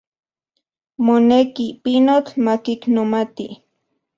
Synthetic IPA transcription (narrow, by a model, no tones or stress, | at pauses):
monekipinot͡ɬmakiknomat̪i